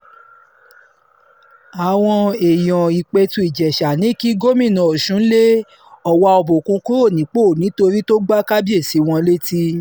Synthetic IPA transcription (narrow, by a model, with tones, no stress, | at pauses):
a˨w̃ɔ̃˧e˨jɔ̃˨i˨k͡pe˧tũ˧˦i˨d͡ʒɛ˨ʃa˨nĩ˨˦˨ki˦ɡo˦mĩ˦˨nã˧˨o˨ʃũ˨˦le˦ | ɔ˨wa˧ɔ˧bo˨kũ˧ko˦ɾo˦˨nĩ˨˦k͡po˦˨nĩ˨˦to˧ɾi˦to˦ɡ͡ba˦ka˦bi˦e˦˨si˨˦w̃ɔ̃˧le˦ti˦